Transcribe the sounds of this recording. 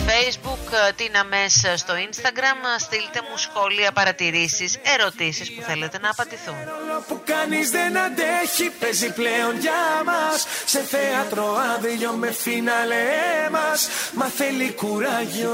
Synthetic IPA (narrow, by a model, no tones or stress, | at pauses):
fejzbukt̪inɐme̞sst̪o̞inst̪ɐɡɾɐmst̪ilit̪e̞musxo̞liɐpɐɾɐt̪iɾisise̞ɾo̞t̪isispuθe̞le̞t̪e̞nɐːpɐnd̪iθunɾolopukɐnizðenɐd̪eçipezipleo̞nʝɐmɐsːe̞θeɐt̪ɾoɐðiʎome̞finɐlemɐsmɐθelikuɾɐʝio